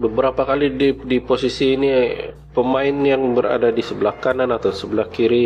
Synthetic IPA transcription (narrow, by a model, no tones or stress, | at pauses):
bəbəɾapakalididiposisiːni | pəmaɪnjaŋbəɾa̰dadisəbəlahkananat̪awsəbəlahkiɾi